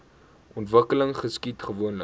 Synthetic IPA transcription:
ʔɔntvəkələŋχəskitχəvuənlə

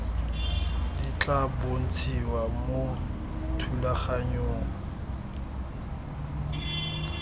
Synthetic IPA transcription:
dit͡ɬʼabon̩t͡sʰiwamo | tʰulaχaɲoːŋ̩

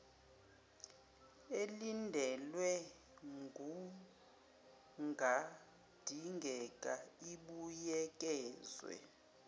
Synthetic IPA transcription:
elindʱɛlwɛ | ŋɡʱu | ŋɡʱa | d̥ʱiŋɡʱɛkʼaiɓujɛk̬ʼɛːzwɛ̰

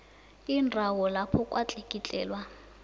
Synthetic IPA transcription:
indʱawɔlapʰɔkʼwʔat͡ɬʼekʼit͡ɬʼɛ̰ːlwa

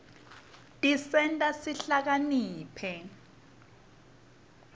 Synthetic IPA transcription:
tʼisɛntʼasiɬak̬aniːpʰɛ

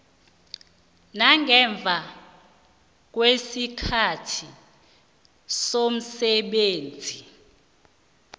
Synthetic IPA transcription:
naŋɡʱɛɱb̪vʱa | k̬wesikʰatʰi | som̩sɛɓeːnd͡zʱi

